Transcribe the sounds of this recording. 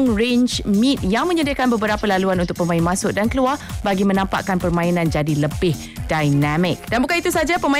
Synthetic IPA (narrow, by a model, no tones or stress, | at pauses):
ŋrend͡ʒmĩt̪̚jaŋmə̃ɲədakanbəbəɾapalaluanunt̪ʊk̚pəmãinmãsʊʔ̚dankəluarbaɡimə̃nãmpa̰ʔkanpərmãinãnd͡ʒadiləbɪh | dajnamɪk̚danbukanit̪usad͡ʒapəmã